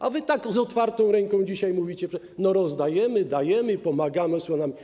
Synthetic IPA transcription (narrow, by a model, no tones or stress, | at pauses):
ʔa̰vɘt̪aɡzɔt̪faɾt̪ɔ̃w̃ɾɛŋkɔ̃d͡ʑiɕajmuvʲit͡ɕɛpʂɛ | nɔɾɔzd̪ajɛmɘd̪ajɛmɘipɔmaɡamɛsɔnam